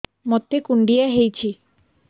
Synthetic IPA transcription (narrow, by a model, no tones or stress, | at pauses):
mɔt̪ːekuɳɖijaɦejt͡ɕʰi